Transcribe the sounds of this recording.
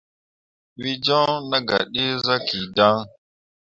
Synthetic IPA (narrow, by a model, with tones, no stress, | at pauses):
wi˦d͡ʒo˦na˦ɡa̰˨ɗi˦za˦ki˨da˦ŋ